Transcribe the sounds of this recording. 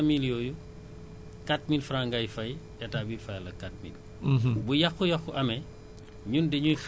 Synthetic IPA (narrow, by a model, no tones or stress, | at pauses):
miljɔːju | kat̚milfɾaŋɡɐjfɐjʔɛtaːbiːlfɐjlɐkat̚mḭl | bujɐxujɐxuʔɐmɛ | ɲundɛɲujx